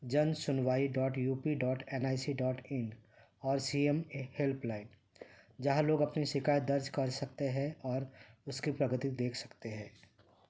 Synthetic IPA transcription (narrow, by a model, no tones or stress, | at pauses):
d͡ʒɐnsʊnʋaːiɖɔːʈjuːpiɖɔːʈʰɛnaːɪsiɖɔːʈʰɪn | ɔːɾsiemehelplaːɪn | d͡ʒɐɦãloːɡɐpniʃɪkaːjət̪̚d̪ɐɾd͡ʒkɐɾsɐk̚t̪eɦɛ̃ɔːɾʊskipɾɐɡət̪id̪eːkʰsɐ̥kt̪eɦɛ̃ː